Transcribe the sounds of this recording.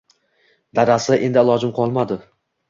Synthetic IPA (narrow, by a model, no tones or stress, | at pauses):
d̪aɾasɪʔe̞nd̪ɪɪlˠɒd͡ʒɪmqʰɒlˠmad̪ɪ